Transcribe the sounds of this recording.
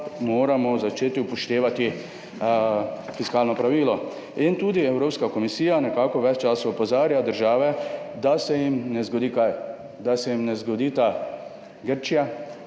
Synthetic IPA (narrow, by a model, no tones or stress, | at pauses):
moːɾamɔzat͡ʃeːt̪iupɔʃt̪eːʋat̪i | fiskaːlnɔpɾaʋiːlɔ | int̪uːd̪iɛwɾoːpskakɔmisiːjanɛkaːkɔʋɛt͡ʃt͡ʃaːsaɔpɔzaːɾjad̪əɾʒaːʋɛd̪asɛjimnɛzɡɔd̪iːkaj | d̪asɛjimnɛzɡɔd̪iːt̪a | ɡəɾt͡ʃija